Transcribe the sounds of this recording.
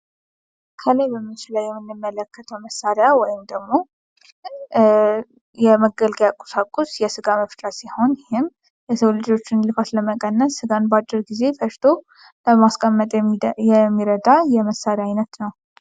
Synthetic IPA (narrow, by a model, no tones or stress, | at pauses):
kʰələjbəmːɨt͡ʃɪləwjɛmːɨnːɨmːələkːət̪ʰəwməsːaɾjawɔjɪmd̪əɡmo̞ | jɛməɡəlɡjakʼu̥sakʼːusjɛsɨɡaməft̪ʼasiho̞njɪhɪm | jɛsəwlɨd͡ʒo̞t͡ʃːɪnlɨfat̪ləməkʼənːəsːɨɡanbat͡ʃːɨɾɡize̞fəʃt̪ʰo̞ | ləmaskʼəmːət̪ʼjɛmːiɾəd̪ajɛməsːaɾjajnət̪nəw